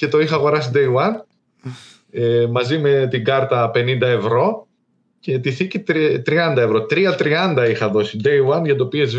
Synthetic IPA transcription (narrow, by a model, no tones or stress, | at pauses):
ce̞t̪o̞ixɐːɣo̞ɾɐs̬id̪ejɐn | emɐzime̞t̪iɡɐɾt̪ɐpe̞nind̪ɐe̞vɾo̞ | ce̞t̪iθicit̪t̪ɾiɐnd̪ɐe̞vɾo̞t̪ɾiɐt̪ɾiɐnd̪ɐixɐðo̞sid̪ejwɐnʝɐt̪opie̞z